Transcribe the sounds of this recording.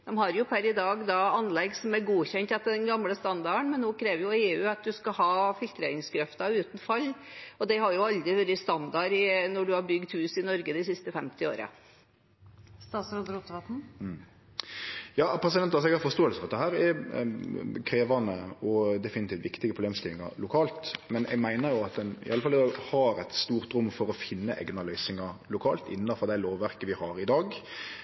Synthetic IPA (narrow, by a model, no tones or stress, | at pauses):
d̪̥ɛmhɑɾjʊpʰæɾɪd̪ɑːɡd̪ɑɑnlɛɡsɔmæɾɡuːçɛnt̪ɑt̪d̪ɛnɡɑmləst̪ɑnd̪ɑəɳmɛnːoːkʰɾeːʋəɾjʊeːʉːɑt̪̚d̪ʉskɑhɑːfɪlt̪ɾeːɾɪŋskɾɛft̪ɑʉːt̪n̩fɑlːɔd̪ɛɪhɑɾjʊɑld̪ɾɪʋɛɾɪst̪ɑnd̪ɑɾɪnɔɖʉhɑɾbʏɡd̪hʉːsɪnɔɾɡəd̪ɛsɪst̪əfɛmt̪ɪo̰ːɾə̰ | st̪ɑːt̪sɾod̪əɾut̪ʋɑt̪n̩ | jɑːpʰɾɛs̬ɪd̪ɛnt̪ɑsɔɛɡhɑɾfɔst̪oːəlsəfɔɑt̪̚d̪ɛɦæːɾɛ | kʰɾeːʋɑnəɔd̪ɛfɪnɪt̪iːft̪ʋɪkt̪ɪɡəpʰʁʊbleːmst̪ɪlɪŋɑ̰ɾlʊkʰɑːlt̪mɛnʔɛ̰ɡmæɪnəɾjʊɑt̪̚d̪ɛnɪ̰ʔɑlːəfɑlɛd̪ɑhɑɾɛt̪st̪uːɾt̪ɾʊmːfɔɾɔfɪnːəʔɛ̰ɡnɑlœʏsɪŋɑlʊkʰɑːlt̪ɪ̰nːɑfɔʁd̪æɪloːʋːæɾkəʋɪhɑɾɪd̪ɑːɡ